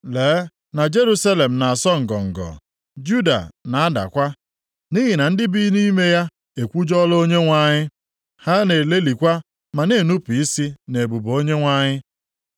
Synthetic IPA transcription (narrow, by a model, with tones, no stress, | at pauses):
leː˨˦ | na˨d͡ʒe˦ɾu˦sa˦le˨m̩˨na˨a˨sɔ˦ŋ̩˨ɡɔ̰˨ŋ̩˨ɡɔ̰˨ | d͡ʒu˦da̰˨na˨a˦da̰˨kʷa˦ | ni˦ɦɪ˨na˨n̩˦dɪ˦bi˦ni˦me˦ja˦ | e˨kʷu˦d͡ʒɔ˦lo˦ɲe˦ŋʷa˨ɲɪ˦ | ha˦ne˨le˦li˨kʷa˦ | ma˨ne˦˨nu˦pi˨i˦si˦ne˨bu˨bo˦ɲe˦ŋʷa˦˨ɲɪ˦